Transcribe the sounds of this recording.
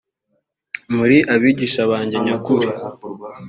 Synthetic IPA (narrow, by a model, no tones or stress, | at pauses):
muɾiʔaβiɟiʃaβaːɲɟe̞ɲakuɾi